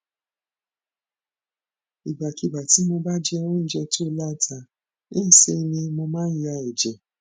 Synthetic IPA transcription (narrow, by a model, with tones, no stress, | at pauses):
i˨ɡ͡ba˨ki˨ba˨ti˨˦mo˧ba˦d͡ʒɛ˦˧wɔ̃˦n̩˦d͡ʒɛ˧ti˦o˧la˦tʰa˧˨ | e˦˨se˧nĩ˧mo˧mãː˦n̩˦ɾa˧ɛ˨d͡ʒɛ˨